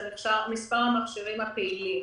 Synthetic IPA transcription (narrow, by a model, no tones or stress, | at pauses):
miχʃaʁmispaʁamaχʃiʁimhapeili